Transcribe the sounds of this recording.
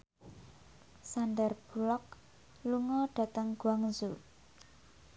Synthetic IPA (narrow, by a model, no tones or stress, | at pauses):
sanɖɛrb̥ṳlɔk̚ | luŋɔɖ̥a̤t̪əŋɡ̥waŋzu